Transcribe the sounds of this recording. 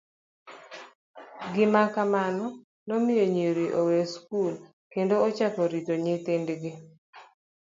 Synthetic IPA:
ɡɪmakamanɔ | nɔmɪjoɲiɾiʔoweskul | kendoːt͡ʃakɔɾitoɲɪtendɡɪ

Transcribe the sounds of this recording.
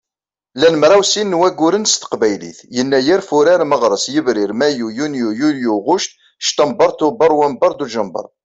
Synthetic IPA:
lænəmɾˤawsinːwæɡʊɾənst̪ə̥qbæjlḭθjənːæjæɾfʊɾaɾməʁɾˤəsjəvɾɪɾmæjujunjujuljuʁʊʃt̪ | ʃt̪əmbɑɾˤt̪ubɑɾˤwæmbɑɾˤd̪uʒəmbə̰ɾˤ

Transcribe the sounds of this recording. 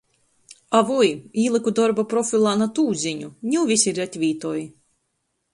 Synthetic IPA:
avujiːlˠɨkud̪ɔɾbapɾɔfʲilˠanat̪uːzʲiɲʲunʲɛwvʲisʲiɾat̪ʲvʲiːt̪ɔːj

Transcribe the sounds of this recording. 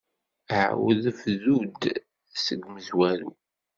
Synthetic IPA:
əʕ̰wəðfðud̪ | səɡməzwælṵ

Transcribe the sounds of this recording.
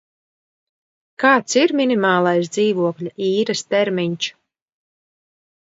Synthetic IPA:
kaːt̪siɾminʲimaːlˠajsd̪ziːvuɔklʲaʔiːɾɨst̪ɛɾmʲiɲʲt͡ʃ

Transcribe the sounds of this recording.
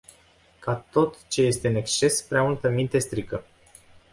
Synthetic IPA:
kat̪o̞t̪t͡ʃe̞je̞st̪e̞ɨne̞kst͡ʃe̞spɾeamult̪əmint̪e̞st̪ɾikə

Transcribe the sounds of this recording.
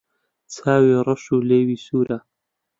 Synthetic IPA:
t͡sʰaːwirˤɨʃuːleːwiːsuːɾa

